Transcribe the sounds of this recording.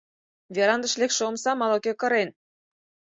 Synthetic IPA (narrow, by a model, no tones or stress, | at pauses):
vʲeɾɑnd̪ə̆ʃlekʃeomsɑmɑlokekɤ̆ɾen